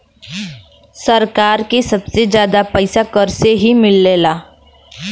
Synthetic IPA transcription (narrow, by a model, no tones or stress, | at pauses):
sɐɾkaːɾkesɐbsed͡ʒjaːd̪apɛɪsakəɾseɦimɪlːeːlaː